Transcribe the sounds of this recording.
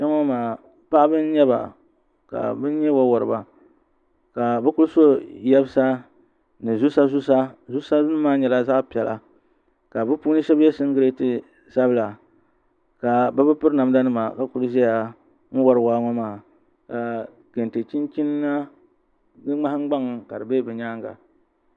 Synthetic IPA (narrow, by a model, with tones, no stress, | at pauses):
ʃɛ˦ŋɔ˦maː˨ | pa˦ʔbɨ˦n˦ɲɛ˦βa̰˨ | ka̰˨bɨ˦n˦ɲɛ˦wa˦wɔ˨ɾɨ˨ba˨ | ka˨bɨ˦ku˦lso˦jɛ˦bɨ˦sa˦ | nɨ˨zu˦sa˦zu˦sa˦zu˦sa˦nɨ˦maː˦ɲɛ˨la˦za˦ʔpi˨ɛ˨lʔa̰˨ | ka˨bɨ˦puː˦nɨ˦ʃɛ˦bɛ˦sɨ˦ŋ˦ɡɨ˦ɾe˦tɨ˨ | sa˦bɨ˦la˨ | ka˨bɨ˦pɨ˦pɨ˦ɾna˨m˦da˦nɨ˦ma˨ka˨ku˦lʒɛ˦ja˨ | ŋ̩˦wɔ˦ɾɨ˨waː˦ŋa˦maː˦˨ | ka˨ | ke˨n˨te˨t͡ʃi˦nt͡ʃi˦nː˦a˦ | ɡɨ˦ŋ͡ma˦hŋ͡mɡ͡ba˦ŋ˨ka˨dɨ˨be˦bɛ˨ɲaː˦ŋɡa̰˨